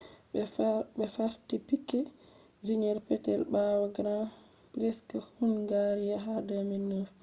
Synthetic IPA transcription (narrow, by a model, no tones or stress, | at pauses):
bɛfaɾtipikːɛ | d͡ʒiɲɛɾpɛtɛ̰lbawaɡɾã | pɾɛskɔhunɡaɾijaɦadaminːof